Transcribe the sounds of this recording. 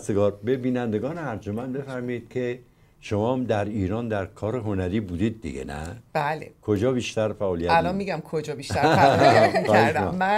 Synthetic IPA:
seɡɒːɾbebiːnænd̪eɡɒːneæɾd͡ʒomænbe̞fæɾmɔiːd̪̥̚kʲʰe | ʃomɒːmd̪æɾiːɾɒːnd̪æɾkʰɒːɾeɦo̞næɾiːbuːd̪iːd̪̚ːḭɡḛnæ̰b̥ælekʰod͡ʒɒːbiːʃt̪æɾfæʔɒːlijæælɒnmiɡæmkʰod͡ʒɒːbiʃt̪æɾ | xɒheʃɾomæ

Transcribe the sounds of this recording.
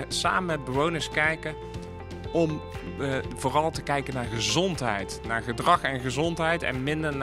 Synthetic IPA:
sa̰ːməmɛd̚bəʋownəɹskɛjkə | ɔm | voːrɑlˠtəkɛjkənaːɹχəzɔntɦɛ̰jtnaːɹχədrɑχɛnχəzɔntɦɛjtɛ̰nmɪndəɹn

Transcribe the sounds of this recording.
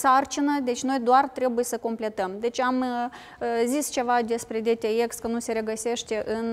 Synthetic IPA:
sart͡ʃinəd̪e̞t͡ʃʲno̞jd̪oart̪ɾe̞buje̞səko̞mple̞t̪əmd̪e̞t͡ʃʲam | zist͡ʃe̞vad̪e̞spɾe̞d̪e̞t̪eekskənuse̞ɾe̞ɡəse̞ʃt̪e̞ʔɨn

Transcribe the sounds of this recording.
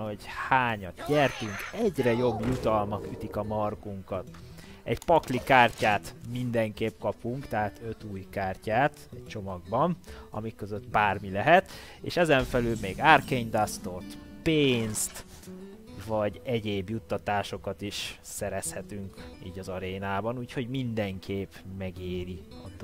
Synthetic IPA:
nhoɟhaːɲɒt̪ɟɛrt̪yŋkɛɟrɛjo̞bjut̪ɒlmɒkyt̪ikɒmɒrɡuŋkɒt̪ | ɛɟpɒklikaːrcaːt̪mind̪ɛŋkeːpkɒpuŋkt̪ɛɦaːt̪ø̞t̪uːjkaːrcaːt̪ɛct͡ʃo̞mɒɡ̚bɒnɒ̰mikːøzøt̪baːrmilɛɦɛt̪ | ḛːʃɛzɛɱfɛlylmeːɡaːrkeɲd̪ast̪ort̪ | peːnst̪ | vɒɟɛɟeːbjut̪ːɒt̪aːʃo̞kɒt̪iʃsɛɾɛshɛt̪yŋkḭːɟɒzɒɾeːnaːbɒnuːcho̞ɟmind̪ɛŋkʰeːpmɛɡeːɾiɒd̪

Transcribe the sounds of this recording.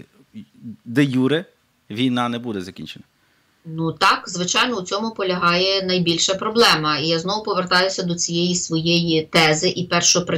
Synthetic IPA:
d̪ejuɾɪ | ʋʲijnɑnɛbud̪ɛzɐkʲinʲt͡ʃenɐ | nut̪ɑkzʋɪt͡ʃɑjnɔut͡sʲɔmʊpɔlʲɐɦɑjɛnɐjbʲilʲʃɐpɾɔblˠɛmɐijaznɔʋwʊpɔʋert̪ɑjʊsʲɐd̪ɔt͡sʲijɛjisʋɔjɛjit̪ɛzɪʔipɛrʃɔɔpɾ

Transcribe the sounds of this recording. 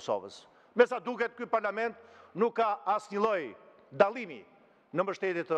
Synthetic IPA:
sɔ̰və̰s | mɛsad̪uɣɛt̪̚kypaɾlamɛ̃nt̪nukːaasɲəlˠɔj | d̪alˠimḭ | nəmbəʃt̪ɛt̪jɛt̪ə

